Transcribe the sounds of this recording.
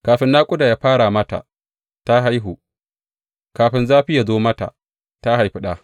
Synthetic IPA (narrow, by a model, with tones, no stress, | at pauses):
kaː˨ɸɪ˦nːaː˦kʷʼʊ˦da˨jaː˦ɸaː˦ɽa˨mɐ˦ta̰˨ | ta˦ɦa˦jɦu˨ | kaː˨ɸɪ˦nzaː˦ɸɪ˦ja˨zoː˦mɐ˦ta̰˨ | ta˦ɦa˨jɸɪ˦ɗa˦